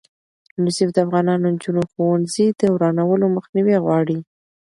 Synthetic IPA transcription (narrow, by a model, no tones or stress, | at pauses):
nʊsifd̪əafɣɑnɑnond͡ʒunoxowanzid̪əwɾɑnawəloməxniweɣwɑɽi